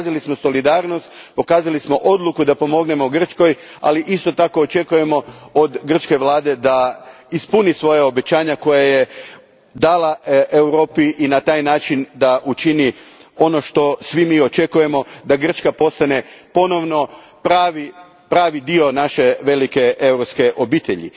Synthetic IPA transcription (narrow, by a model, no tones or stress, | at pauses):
zalismo̞so̞lid̪aːɾnost̪po̞kaːzalismo̞ʔo̞d̪lˠukud̪apo̞mo̞ɡne̞mo̞ɡr̩t͡ʃko̞j | a̰liʔist̪o̞t̪ako̞ːt͡ʃe̞kuje̞mo̞od̪ɡr̩t͡ʃke̞ʋlˠaːd̪e̞d̪a | ispunisʋo̞jao̞be̞t͡ɕaːɲako̞jaje | d̪aːlaʔewɾo̞ːpiʔinat̪aːjnaːt͡ʃind̪aʔut͡ʃinio̞no̞ʃt̪o̞sʋimiːo̞t͡ʃe̞kuje̞mo̞d̪aɡr̩t͡ʃkapo̞st̪ane̞po̞no̞ʋno̞ | pɾaːʋi | pɾaːʋid̪io̞naʃe̞ʋe̞like̞ʔewɾopske̞ʔo̞biːt̪e̞ʎḭ